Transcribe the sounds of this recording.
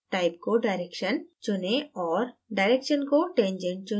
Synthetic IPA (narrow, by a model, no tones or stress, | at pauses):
ʈajp̚koɖajɾekʃɐnt͡ʃoneɔɾɖajɾekʃɔnkoʈend͡ʑeɳʈ̚t͡ɕo